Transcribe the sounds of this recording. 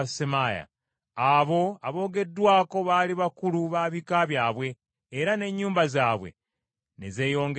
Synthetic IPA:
semaja̰ | aβo̞aβo̞ːɡe̞dːwaːko̞βaːliβakuluβaβikaβjaːβwe̞ː | ɾane̞ɲːuːmbazaːβwe̞̰ | nḛze̞ːjo̞ːŋɡe

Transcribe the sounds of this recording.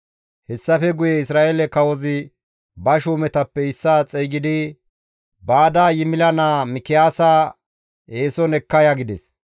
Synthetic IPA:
hɛsːɐfɛɡʊjɛɪsɾaːʔelɛkɐwɔzɪ | bɐʃuːmɛt̪ɐpːɛɪsːaːt͡sʼɛjɡɪd̪ɪ | baːd̪aːjɪmɪlɐnaːmɪkɪjaːsaː | eːsɔnɛkːɐjaɡɪd̪ɛs

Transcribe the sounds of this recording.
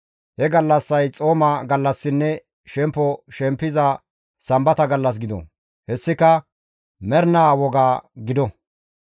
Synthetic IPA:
hɛɡɐlːɐsːɐjt͡sʼo̞ːmaɡɐlːɐsːɪnːɛ | ʃɛmpːɔʃɛmpːɪzɐ | sɐmbɐt̪ɐɡɐlːɐs̬ɡɪd̪ɔ̰ | hɛsːɪkɐ | mɛɾnaːwɔɡaːɡɪd̪ɔ

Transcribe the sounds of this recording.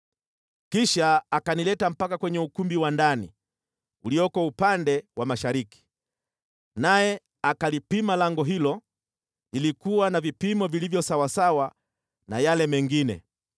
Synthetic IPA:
kiʃaːkanilɛtam̩pakakwɛɲɛukumbiwandanḭ | uliɔkɔupandɛwamaʃaɾiki̥ | najɛ | akalipimalaŋɡɔɦilɔ | ilikuwanavipimɔvilivjɔsawasawa | najalɛmɛŋɡinɛ̰

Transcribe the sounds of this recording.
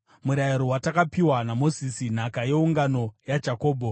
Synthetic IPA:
muɾajiɾowatakapiwanamo̞zisin̤akaje̞uŋɡano̞jad͡ʒako̞ːbʱo

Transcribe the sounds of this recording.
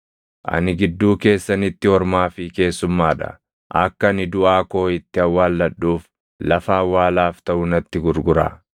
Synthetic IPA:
ʔɐ̰nɪɡɪd̪ːuːke̞ːsːɐnɪt̪ːɪhɔɾmaːfɪke̞ːsːʊmːaːᶑɐ̰ | ʔɐkːɐnɪd̪ʊʔaːko̞ːɪt̪ːɪɐwːaːlːɐᶑːuːf | lɐfaːwːaːlaːft̪ɐʔʊnɐt̪ːɪɡʊɾɡʊɾa̰ː

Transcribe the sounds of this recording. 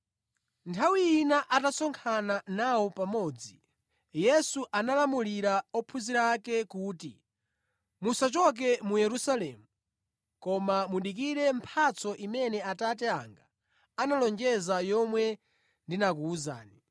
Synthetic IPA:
ntʰawiːnaʔatasɔŋkʰananawɔpamɔːd͡zi | jɛsuʔanalamuliɾaɔpʰuziɾaːkɛkuːtḭ | musat͡ʃɔk̬ɛmujɛɾusalɛːmu | kɔmamuɗik̬iɾɛm̩pʰat͡sʰɔʔimɛnɛatat̬ɛa̰ŋɡa | analɔnd͡ʒɛzajɔmwɛ | ndinak̬uːza̰ːni

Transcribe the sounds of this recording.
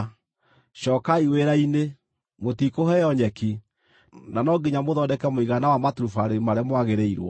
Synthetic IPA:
ʃɔːkaiweɾaine | motikohɛjɔɲɛki | nanɔɡiɲamoðɔdɛkɛmoiɣanawamatuɾufaɾemaɾɛmwaɣeɾɛiɾwɔ̰

